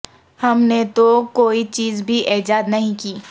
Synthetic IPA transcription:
hɐmnet̪okoːit͡ʃiːzbʱiʔeːd͡ʒaːd̪nɐɦĩkiː

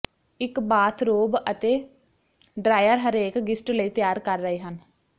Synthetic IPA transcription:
ɪkbaːt̪ʰɾoːbət̪eː | ɖɾaːjəɾɦəɾeːkɡɪsʈləiːt̪ɪjaːɾkəɾːəɦeːɦən

